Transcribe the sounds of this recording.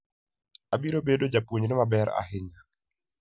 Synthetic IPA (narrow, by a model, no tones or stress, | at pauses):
abiɾobedod͡ʒapwoɲnɪmabɛɾa̰ɦɪɲa